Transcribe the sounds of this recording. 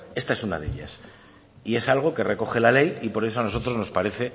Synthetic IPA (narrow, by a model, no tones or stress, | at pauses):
e̞st̪ae̞suna̰ðe̞̰ʎa̰s | ie̞salɣ̞o̞ke̞re̞ko̞xe̞lale̞jipo̞ɾe̞so̞ano̞so̞t̪ɾo̞zno̞spaɾe̞θe̞